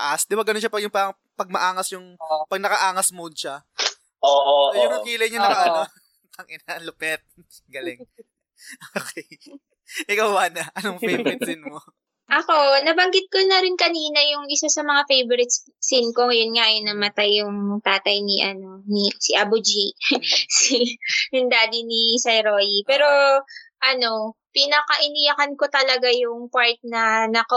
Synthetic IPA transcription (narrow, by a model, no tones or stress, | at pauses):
ʔasd̪ɪbaɡɐnonʃapɐɡjʊŋpɐ | pɐɡ̚mɐʔaːŋɐsjʊŋpɐɡ̚nɐkɐʔaːŋɐsmʊnʃa | ʔoʔojʊŋɐkiːlɐjɲɐnɐkɐɐo | kɐŋɪnalʊpɛt̪̚ | ɡɐlɪŋ | ʔoːkʰɛj | ʔɪkawbaːnɐʔɐnoŋfejbɾɪt̪sɪnmo | ʔɐko̞nɐbɐŋɡɪt̪̚konɐɾɪnkɐniːnɐjʊŋʔɪsasɐmɐŋafejboɾɪt̪s | sinkoŋjʊnŋajonɐmɐt̪ajːʊŋt̪aːt̪ɐjniʔɐno̞nisɪʔɐbʊd͡ʒisijʊŋd̪aːd̪inisɐjɾoːjipɛːɾo̞ʔɐno̞pinɐkɐʔɪnijɐkɐnko̞t̪ɐlɐɡajʊŋpaɹt̪̚nɐnɐkɐ